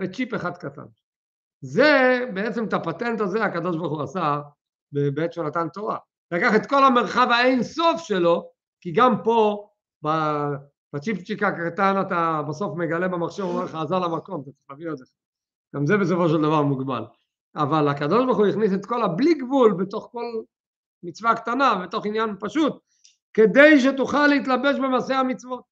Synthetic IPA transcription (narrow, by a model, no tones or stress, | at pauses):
vet͡ʃipeχad̪kat̪a̰n | zebeet͡se̞met̪apat̪ent̪azeakad̪o̞ʃbaʁχuasa | bebeet̪ʃonat̪ant̪o̞ʁa | lakaχe̞t̪ko̞lameʁχavaejnsofʃe̞lo̞ | kiɡampo̞ | ba | b̥at͡ʃipt͡ʃikakat̪anat̪abaso̞fme̞ɡale̞bemaχʃevomeʁleχaːzalamako̞mat̪at͡se̥χlaviot̪leχa | ɡ̥amzebe̞s̬o̞fo̞ʃeld̪avaʁmuɡba̰l | avalakad̪o̞ʃbaʁχuiχniset̪ko̞labliɡvulbet̪o̞χko̞l | mit͡svakt̪anabet̪o̞χinjanpaʃut̪̚ | ke̞d̪e̞jʃ̬et̪uχalːeit̪labe̞ʃbe̞maːsehamit͡svo̞t̪̚